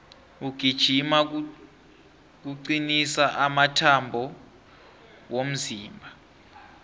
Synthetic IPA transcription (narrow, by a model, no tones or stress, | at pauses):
uɡ̥ʱid̥ʒ̥ʱima | k̬uǀinisaʔamatʰambʱɔ | wom̩ziːmbʱa